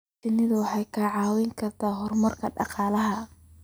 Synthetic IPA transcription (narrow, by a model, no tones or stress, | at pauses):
ɪnɪðʊwɑħɑjkʰɐʕɑːwɛŋkʰɐrt̪ʰaːɦɔrmɐrkʰɐɖɑ̰qɑːlɐɦɐ